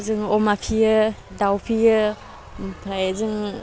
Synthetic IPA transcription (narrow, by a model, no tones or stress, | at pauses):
zɯŋɔmapʰiədawpʰijə | m̩pʰajzɯŋ